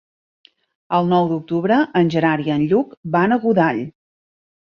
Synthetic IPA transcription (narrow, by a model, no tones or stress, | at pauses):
əlˠnɔwd̪uk̚t̪uβɾəʔənʲʒəɾaɾiənʎukbanəɣuðaʎ